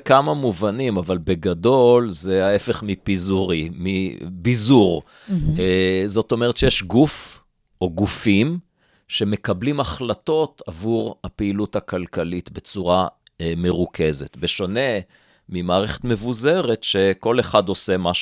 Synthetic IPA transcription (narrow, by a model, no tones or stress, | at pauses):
kamamuvanimavalbeɡado̞lzeaefe̞χmipizuʁimibizuʁ | ezo̞to̞meet̪ʃejeʃɡuf | ʔo̞ɡufim | ʃe̞me̞kablimaχlato̞tavuʁhapeilutakalkalitbe̞t͡suʁa | meʁukʰe̞zet̪be̞ʃone̞ | mimaːʁeχetme̞vuze̞ʁe̞tʃe̞ko̞le̞χado̞se̞maʃ